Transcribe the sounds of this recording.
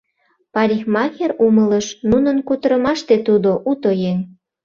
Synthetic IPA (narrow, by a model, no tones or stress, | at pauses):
pɑɾʲixmɑxerumələʃnunənkut̪əɾəmɑʃt̪et̪ud̪oʔut̪ojen